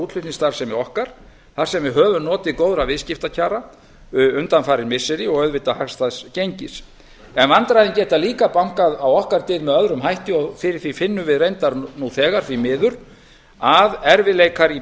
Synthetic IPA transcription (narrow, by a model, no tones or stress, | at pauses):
uːt̪l̥ʏhnist̪aɾ̥sɛmɛɾɔhkaɾ̥ | θaɾ̥sɛmvɪɦœːvʏnɔːt̪ɪðkowðɾavɪðscɪft̪acʰaːɾa | ʏnt̪anfaːɾɪɾmɪsːɛɾɪɔɣœɥðvɪt̪ahakst̪aðscejɲcɪs | ɛnvant̪ɾajðɪncɛːt̪aliːkapawŋ̥kaðawɔhkaɾt̪ɪːðmɛðœðɾʏmɦajht̪ɪɔfɪɾɪɾ̥θifɪnːʏvɪðrejnt̪aɾnuθɛːɣaɾ̥θimɪːðʏɾ̥ | aðɛɾvɪlejkaɾi